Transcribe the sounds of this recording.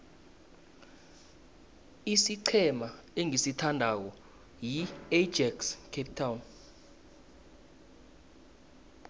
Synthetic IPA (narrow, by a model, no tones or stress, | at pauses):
isiǀʰɛma | eŋisitʰandʱak̬ɔ | jiɛd͡ʒɛkskʰep̚tʰawn